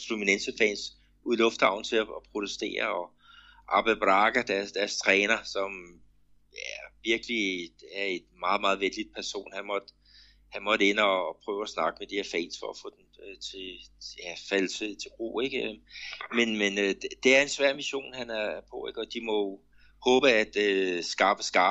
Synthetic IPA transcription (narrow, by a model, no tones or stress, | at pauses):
luminensəfɛ̰ns | uðˠlɔ̽fd̥hɑ̈ʊ̰n̩t͡sʰe̝æɒpʰʁo̝t͡sesd̥e̝̰ːɐɒ̽ | ʔɑ̈b̥æb̥ʁɑ̈ɡ̥ɐd̥æɐsd̥æɐst͡sʰʁɛːnɐsɒ̽m | æɐʋiɐɡ̥əliæɐe̝nmɑ̈ːð̩ˠmɑ̈ːð̞̩ˠʋend̥id̥̚pʰæɐso̝̰ːnhænmɒ̽d̥ | hænmɒ̽ɾ̥əe̝nɒːpʰʁœːʊæsnɑ̈ɡ̥əmed̥iheɐfɛ̰ɪnsfɒ̽æfɔ̰̽ːd̥enøt͡sʰe̝jæfæl̰t͡sʰet͡sʰe̝̥ʁo̰ːeɡ̥ømenmenød̥ed̥e̝æɐe̝nsʋæɐ̰miɕo̝̰ːnhænæɐpʰɔ̽eɡ̥ɒd̥imɒ̽ | hɔ̽ːb̥əæd̥øsɡ̥ɑ̈ːb̥əsɡ̥ɑ̈ː